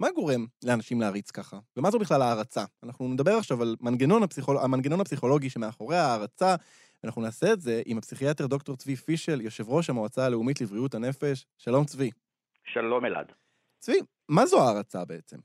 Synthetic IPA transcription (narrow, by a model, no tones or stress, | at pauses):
maɡo̞ʁe̞mleanaʃimleaːʁit͡skaχavemazubiχlalaːʁat͡saanaχnuned̪abe̞ʁaχʃavalmanɡeno̞nhapsiχoamanɡeno̞napsiχo̞lo̞ɡiʃemeaχo̞ʁeaːʁat͡sa | veanaχnunaːse̞ːtze̞ʔimhapsiχiate̞ʁd̪o̞kto̞ʁt͡svifiʃe̞ljo̞ʃe̞vʁo̞ʃ̬amoat͡saːle̞umitlivʁiutane̞fe̞ʃːalo̞mt͡svi | ʃalo̞mela̰d̪ | t͡svi | mazuaːʁat͡sa̰be̞et͡sem